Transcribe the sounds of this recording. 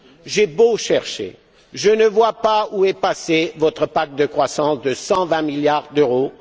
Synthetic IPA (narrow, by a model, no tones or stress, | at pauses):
ʒɛboʃɛʁʃḛ | ʒənəvwapauɛpasevɔt̪χəpak̚d̪əkχwasɑ̃sd̪əsɑ̃vɛ̃miljaʁd̪øʁo